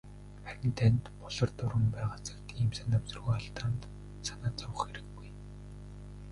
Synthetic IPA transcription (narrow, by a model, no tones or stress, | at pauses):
χæɾʲɪ̆nt̪ʰænt̪pɔɮɞ̆rt̪ʊɾə̆mpæːʁat͡sə̥̆kt̪iːmsănt̪awt͡sɵrɣoːaɬt̪aːnt̪ | sanaːt͡sɔwə̆χxeɾɘ̆ɡːuj